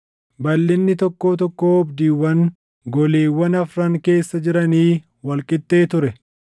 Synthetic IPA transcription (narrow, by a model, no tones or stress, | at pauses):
bɐlːɪnːɪt̪ɔkːo̞ːt̪ɔkːoːɔbd̪iːwːɐn | ɡɔleːwːɐnɐfɾɐŋke̞ːsːɐd͡ʒɪɾɐniː | wɐlkʼɪt̪ʼːe̞ːt̪ʊɾɛ